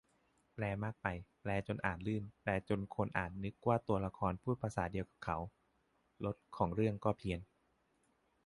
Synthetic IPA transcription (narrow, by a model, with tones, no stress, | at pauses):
plɛː˧maː˥˩k̚pa˧jplɛː˧t͡ɕo˧nʔa̰ː˨˩t̪̚lɯː˥˩nplɛː˧t͡ɕo˧nkʰo˧nʔa̰ː˨˩t̪̚nɯ˦˥kːwaː˥˩t̪u˧ɐla˧kʰɔː˧npʰuː˥˩t̪̚pʰa˧saː˩˦di˧əwka˨˩p̚kʰa˩˦w | lo˦˥t̪̚kʰɔː˩˦ŋɾɯ˥˩əŋkɔː˥˩pʰi˧ən